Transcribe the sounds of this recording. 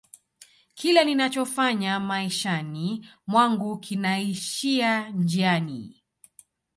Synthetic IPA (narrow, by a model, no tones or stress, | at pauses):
kʰilɛninat͡ʃɔfaɲamaiʃanimwaŋɡukʰinaiʃiad͡ʒianḭ